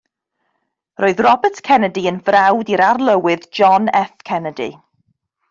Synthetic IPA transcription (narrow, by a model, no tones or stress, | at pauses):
rʔoːɨðrɔbətkʰɛnədiənvrawdiɾarlˠəwɨðd͡ʒɔnɛθkʰɛnədḭ